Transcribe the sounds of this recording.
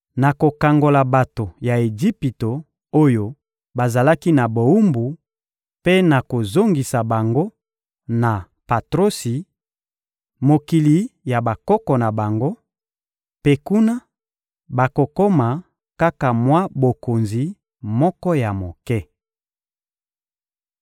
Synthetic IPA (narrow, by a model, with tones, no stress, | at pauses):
na˨ko˨ka˨ŋɡo˨la˨ba˨to˨ja˨e˨d͡ʒi˦pi˨to˨ | o˦jo˨ | ba˨za˨la˦ki˦na˨bo˨u˦mbu˨ | pe˦na˨ko˨zo˦ŋɡi˨sa˨ba˨ŋɡo˦ | na˨ | pa˨tʁo˦si˨ | mo˨ki˨li˨ja˨ba˨kɔ˦kɔ˨na˨ba˨ŋɡo˦ | pe˦ku˦na˦ | ba˨ko˨ko˦ma˨ | ka˦ka˨mwa˦bo˨ko˨nzi˨ | mɔ˦kɔ˦ja˨mo˨kɛ˦